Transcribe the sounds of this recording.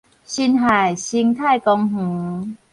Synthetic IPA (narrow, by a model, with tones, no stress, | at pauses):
ɕi˧nɦa˨˩jɕi˧ŋt̪ʰa˥˧jkɔ˧ŋh̩˨˩˦